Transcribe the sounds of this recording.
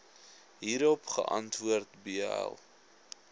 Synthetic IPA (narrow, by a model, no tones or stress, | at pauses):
ɦiːɾɔpχə̰ʔɐ̰ntvuərtbiɛ̰lˠ